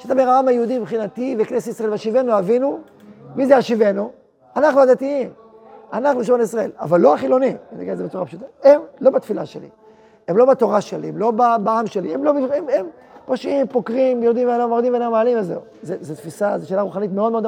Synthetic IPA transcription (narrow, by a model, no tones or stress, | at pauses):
ʃat̪abeʁaamajeud̪ibχinat̪iveknesiisʁaevaʃive̞nuavinu | mizeaʃive̞nu | anaχnuad̪at̪iim | anaχnuʃmonisʁae̞̰la̰valːo̞aχilo̞niena̰ɡilzebet͡suʁapʃut̪ae̞mlo̞bat̪fila̰ʃe̞̰lḭ | emlo̞bat̪o̞ʁaʃelḭemlo̞babaamʃe̞liemlo̞biemem | poʃimpokʁimjod̪imveanamod̪imvenamaːlimvezḛu | zezet̪fisazeʃeːlaʁuχanit̪meo̞d̪meod̪